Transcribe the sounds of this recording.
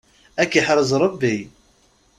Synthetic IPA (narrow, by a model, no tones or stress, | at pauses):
ækːiħɾˤəzˤɾˤəbːi